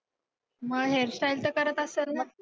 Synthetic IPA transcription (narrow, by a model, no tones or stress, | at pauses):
məɦeɾɕajlt̪əkəɾət̪əselə